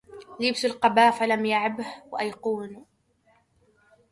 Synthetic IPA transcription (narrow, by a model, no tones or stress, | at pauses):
lɪbt̪ʊlqɑbaːfalamjaʕɪbhwaʔajquːn